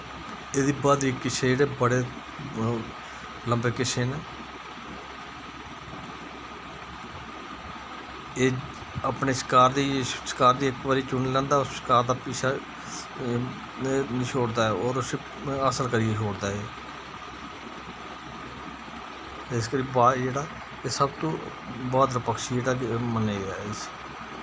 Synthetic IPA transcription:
eːd̪iːbaːd̪iːkɪʃʰeːeːɽeːbəɽeː | ləmbeːkɪʃʰeːneː | eː | aːpneːsɪ̥kaːɾd̪iːsɪ̥kaːɾd̪iːɪkʋəɾiːt͡ʃʊniːlɛ̃ːnd̪aːʊsɪ̥kaːɾd̪aːpiːsa | ʃʰoːɽd̪aːɛːoːɾʊs | əsəɾkəɾieːʃoːɽd̪aːeː | ɪskəɾiːbaːd͡ʒeːɽaː | eːsəbt̪õː | bɔːt̪ɾəpəkʃid͡ʒeːɽaːməneiɾa̰ːɪs

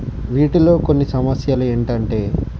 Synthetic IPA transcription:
ʋiːʈilo̞ːkonːisɐmɐsjaːlueːɳʈɐɳʈe̞ː

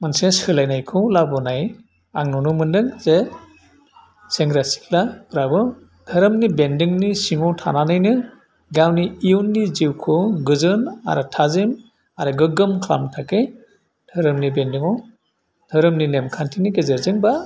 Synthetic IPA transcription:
mansesɯlajnajkʰɯlabɔnaj | a̰ŋnɔnumɯndɯŋze | seŋɡɾasi̥klakɯɾabɯ | dʰʱɯɾɯmnibendiŋnisiŋɔtʰa̰nanajnɯ | ɡawniiunːiziwkʰɔɡɯzɯna̰ɾɯtʰazim | aɾɯɡɯɡɯmkʰla̰mtʰakɯj | dʰʱɯɾɯmnibendiŋɔw | d̥ʰʱɯɾɯmninemkʰantʰiniɡezeɾzɯŋba

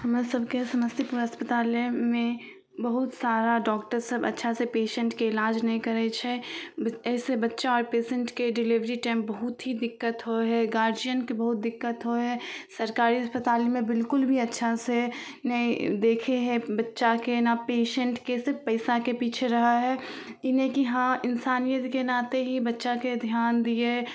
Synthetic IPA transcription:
həmsəbkesɐməst̪ʰipuːɾɦəspət̪aːlmẽ | bəɦʊt̪saːɾaɖɔːkʈəɾsəbə̰tːʃʰasepeːʃə̃ɳʈkeɪlaːd͡ʒnɐɦĩkɐɾet͡ʃʰebɛːsebɐtːʃaɔːɾpeːsə̃ɳʈkeɖɪliʋɾiʈɛːmbɐɦʊt̪ɦid̪ɪkːət̪ɦoɦɛɡaːɾd͡ʒiənkebɐɦʊt̪̚d̪ɪkːət̪ɦoɦɛsɐɾkaːɾiɐspət̪aːlimẽbɪlkʊlbʱiɐtːʃʰasenɐɦĩd̪eːkʰeɦɛbɐtːʃakenapeːʃə̃ɳʈkesɪɾfpɐɪsakepiːt͡ʃʰeɾɐɦaɦɛːɪnekiɦãɪnsaːnijət̪kenaːt̪eɦibɐtːʃaked̪ʱjaːnd̪ie

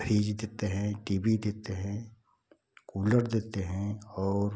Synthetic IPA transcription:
fʰiːd͡ʒd̪eːt̪eɦɛ̃ʈiːbid̪eːt̪eɦɛ̃ | kuːləɾd̪eːt̪eɦɛ̃ɔːɾ

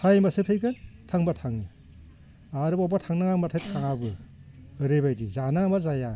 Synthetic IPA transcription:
sajmasɯpʰejkɯntʰaŋbatʰaŋi | aɾɯbabatʰaŋnaŋamatʰatʰaŋabɯ | ɯɾebajdizanamazaja

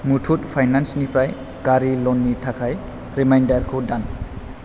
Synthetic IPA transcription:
mutʰut̚pʰajnansnipɾaj | kaɾilɔnːitʰakʰaj | ɾimajndaɾkʰodan

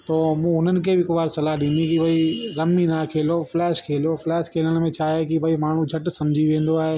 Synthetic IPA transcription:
t̪oːmũːɦʊnənɪ̆kʰebɪkʋaːɾsɐlaɗĩːnikibʱɐiɾɐmːinakʰeːlopʰlɛːʃkʰeːloflɛːʃkʰeːlənmẽt͡ʃʰaːekibʱɐimaːɳ̤ũd͡ʒʱɐʈsɐ̃md͡ʑʱiʋẽːnd̪oaːɦeː

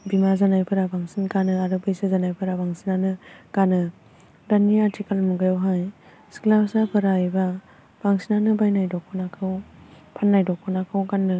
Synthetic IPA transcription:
bimazanajpʰɯɾabaŋsinkanɯaɾɯbɯjsɯzanajpʰɯɾabaŋsinanɯɡ̥anɯ | daniatʰikalmuɡajawɦaj | sklapsapʰɯɾajba | b̥aŋsinanɯbajnajdɔkʰɔnakʰɯw | pʰanːajdɔkʰːɔnakʰɯwɡanːɯ

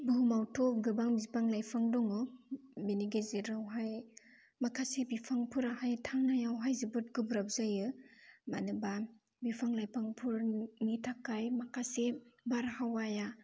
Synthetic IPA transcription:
bɯɦumawtʰɔp̚ɡɯbaŋbizpaŋlajpʰaŋdɔŋɯbeniɡeziɾawɦaj | makʰasebipʰaŋpʰuɾahajtʰaŋnajawɦajzibɯt̚ɡɯbɾap̚zajɯmanɯba | bipʰaŋlajpʰaŋpʰuɾnitʰakːajmakʰasebaɾhawaja

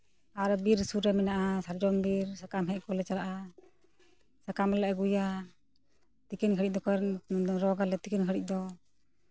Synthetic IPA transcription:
aɾbiɾsuɾɛmɛnaʔasaɾd͡ʒɔnbiɾsakamɦɛʔ̚kɔlɛt͡ʃaɾaʔa | sakamɾɛlɛʔɛɡuja | t̪ikɛnkʰəɾic̚d̪ɔkɔɾɔɡalɛt̪ikɛnkʰəɽic̚ˀd̪ɔ

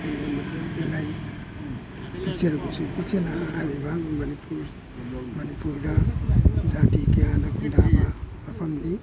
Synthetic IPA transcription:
maelaj | pit͡ʃeɾuɡusupit͡ʃienaːɾiβamanipʰuɾ | manipuɾɡa | zatikeanakundamaː | famni

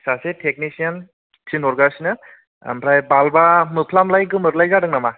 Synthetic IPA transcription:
sasetʰek̚nisian | tʰinɔɾɡasinɯ̰ | mpʰɾajbalbamɯpʰlamlajɡɯmɯɾlajzadɯŋnama

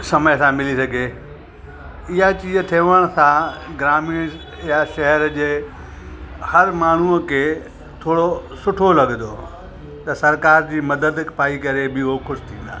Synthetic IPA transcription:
sɐməjsãmɪlisɐɡʱe | ɪɦat͡ɕiːzt̪ʰeːʋəɽ̃sãɡɾaːmiɽ̃ | jaʃɐɦəɾd͡ʑeː | hɐɾmaːɳ̤uəkʰeː | t̪ʰoːɽosʊʈʰolɐɠnd̪oː | t̪ɐsɐɾkaːɾd͡ʑiːmɐd̪əd̪paːikɐɾebɪoxʊʃɪ̥t̪ʰĩːn̆d̪a̰ː

